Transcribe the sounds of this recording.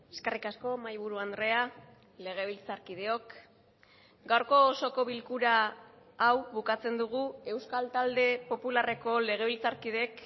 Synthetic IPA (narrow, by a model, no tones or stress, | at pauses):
eske̞rikasko̞majβuɾuand̪ɾe̞a | le̞ɣ̞e̞β̞ilt͡saɾkið̞e̞o̞k | ɡawɾko̞ːso̞ko̞βilkuɾaː | wβukat͡se̞nd̪uɣ̞ue̞wskalt̪ald̪e̞po̞pulare̞ko̞le̞ɣ̞e̞βilt͡saɾkiðe̞k